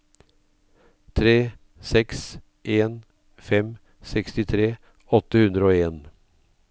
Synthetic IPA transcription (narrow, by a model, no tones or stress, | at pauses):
t̪ʰɾeː | sɛks | ʔeːn | fɛm | sɛkst̪ɪt̪ʰɾeː | ɔt̪əhʉnd̪ɾəoːeːn